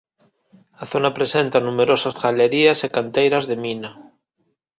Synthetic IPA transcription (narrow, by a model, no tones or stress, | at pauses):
aθo̞napɾesent̪anumeɾosazɣaleɾiasekant̪ejɾazðe̞mĩna